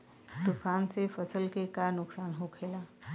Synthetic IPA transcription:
t̪ʊfaːnsefʰəsəlkekanʊksaːnɦokʰeːlaː

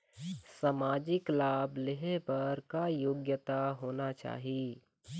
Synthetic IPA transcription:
saːmaːd͡ʒɪklaːbleɦepɐɾkajoːɡjət̪aɦoːnat͡ʃa̰ːɦi

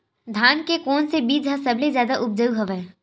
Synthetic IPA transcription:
d̪ʱaːnkekɔːnsebiːd͡ʒɦasɐblezjaːd̪aʔʊp̚d͡ʒəuɦɐʋɛː

